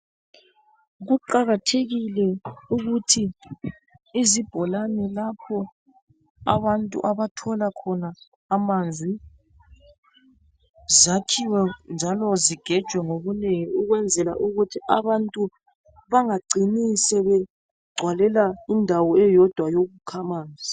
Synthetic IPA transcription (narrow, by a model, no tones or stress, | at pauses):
ɣuǃaɣatʰeɣilɛuɣutʰi | zib̥ʱɔlanɛlapʰɔ | a̰βantʼṵʔaβatʰɔlakʰɔnaː | mand͡zʱi | zakʰiwɛnd͡ʒʱalɔziɡ̥ʱɛd̥ʒ̥ʱwɛŋoβuneŋiuɣwɛnd͡zʱɛla̰ʔuɣutʰiʔaβantʼu | βaŋaɡ͡ǀʱinisɛβɛ | ɡ͡ǀʱwalɛlaindʱawɔɛjɔd̥ʱwajoɣukʰamaːnd͡zʱi